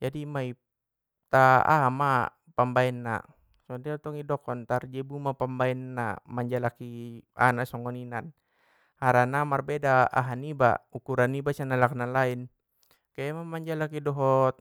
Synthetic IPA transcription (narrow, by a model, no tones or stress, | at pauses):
d͡ʒadimai | t̪aa̰ma | pambaɛnːa̰ | sɔdiat̪ɔŋidɔkɔnt̪ard͡ʒɛbumapambaɛnːa̰maɲd͡ʒalakia̰nasɔŋɔninan | haɾanamarbɛdaa̰ɦaniba̰ukuɾanːibasanalaknalain | kajamamaɲd͡ʒalakidɔɦɔt̪̚